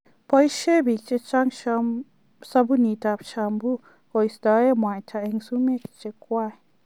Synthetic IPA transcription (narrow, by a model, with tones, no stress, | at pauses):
pa˧jʃe˦bi˨kt͡ʃʼe˧t͡ʃa˦ŋʃa˧ | sa˧bu˦ni˨t̪a˧˨pʃa˧mbu˦ | ko˧˨ji˧st̪a˧e˦mwã˨jt̪ʰa˧e˧ŋsu˦me˦kt͡ʃʼe˧kʷa˧˨